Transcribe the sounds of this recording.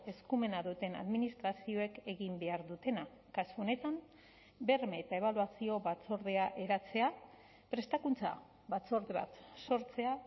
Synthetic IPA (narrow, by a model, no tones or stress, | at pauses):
e̞skume̞naðut̪e̞na̰ðminist̪ɾasio̞e̞ke̞ɣimbe̞aɾðut̪e̞na | kasuo̞ne̞t̪am | be̞rmeːt̪ae̞β̞aluasio̞βat͡so̞ɾðe̞aʔe̞ɾat͡se̞a | pɾe̞st̪akunt͡sa̰ | βat͡so̞ɾðeβa̰t̪so̞ɾt͡se̞a